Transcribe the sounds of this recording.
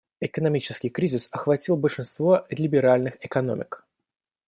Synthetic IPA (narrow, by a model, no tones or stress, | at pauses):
ɪkənɐmʲit͡ɕɪskʲɪjkɾʲizʲɪsɐxvɐtʲilˠbəlʲʂɨnst̪vo̞lʲɪbʲɪɾalʲnɨxɪkɐno̞̰mʲɪ̰k